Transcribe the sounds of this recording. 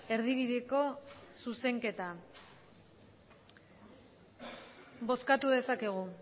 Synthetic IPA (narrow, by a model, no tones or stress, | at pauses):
e̞ɾðiβiðeko̞suse̞ŋke̞t̪a | bo̞skat̪uðe̞sake̞ɣ̞u